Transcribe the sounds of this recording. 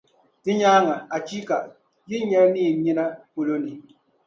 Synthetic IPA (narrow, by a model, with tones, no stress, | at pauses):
ti˦ɲaː˦ŋa˨a˨t͡ʃi˦ka˨ | ji˦ɲɛ˦ɾniː˦˨ɲi˦na˦po˨lo˦ni˨